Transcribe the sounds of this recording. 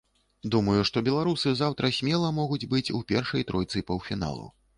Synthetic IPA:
d̪umɐjuʂt̪ɔbʲɛlˠaɾusɨzawt̪ɾɐsʲmʲɛlˠɐmɔɣud͡zʲbɨt͡sʲṵpʲɛrʂɐjt̪ɾɔjt̪sɨpɐwfʲina̰lˠɐ̰w

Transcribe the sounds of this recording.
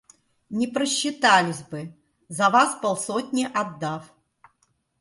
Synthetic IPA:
nʲɪpɾəɕːɪt̪alʲɪsʲbɨ | zɐvaspɐlˠsotʲnʲɪʔad̪ːaf

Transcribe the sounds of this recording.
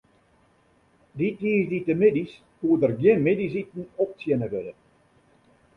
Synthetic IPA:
ditʋiːzditəmedis | kuːədərɡjɪnmedis̬itn̩ɔp̚t͡sjɛnəʋødə

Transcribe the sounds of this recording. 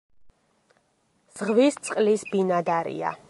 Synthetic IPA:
z̥ʁvist̪sʼqʼlisbinad̪aɾḭa̰

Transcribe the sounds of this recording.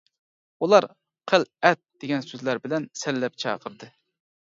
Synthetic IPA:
ulˠɑɾ | qʰəlɛt̪̚d̪̥eɡʲɛnsøzlæɾbɪlɛnsɛlːɛp̚t͡ʃʰɑ̰ːqʰəɾɨd̪ɨ

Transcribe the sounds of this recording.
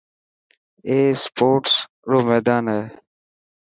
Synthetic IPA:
eːspoːʈs | ɾoːmeːd̪aːnɦeː

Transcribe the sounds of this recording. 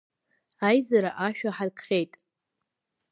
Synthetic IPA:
ajzaɾaʔaʃᶣaħadkʰχʲe̞jtʼ

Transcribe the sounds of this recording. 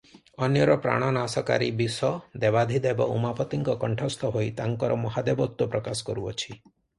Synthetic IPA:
ɔnjɔɾɔpɾa̰ɽ̃ɔnasɔka̰ɾḭbisɔd̪ebad̪ʱid̪eebɔ̰ṵmapɔt̪iŋkɔkɔɳʈʰɔst̪ʰɔɦojt̪aŋkɔɾɔmɔɦad̪ebɔt̪ːupɾɔkasɔ̥kɔɾuɔt͡ʃʰi

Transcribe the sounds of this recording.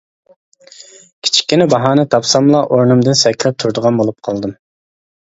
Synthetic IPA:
kʲʰi̥t͡ʃʰi̥kʲːinɪbɑɦɑːnɨt̪ʰɑpsɑmlˠɑʔoɾnumd̪ɨnsɛkʲʰlɛp̚t̪ʰuɾd̪əʁɑnbolˠup̚qʰɑlˠd̪ɨm

